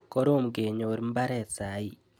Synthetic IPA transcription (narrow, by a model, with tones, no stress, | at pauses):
kɔ˦ɾo˦mɡe˨ɲo˨ɾm˦ba˦ɾɛ˨sa˨˦i˨